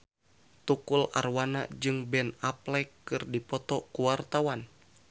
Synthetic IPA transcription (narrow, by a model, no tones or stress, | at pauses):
t̪ukula̰rwana̰d͡ʒɨŋbɛnaplɛkːɨrdipɔt̪ɔkuwart̪awan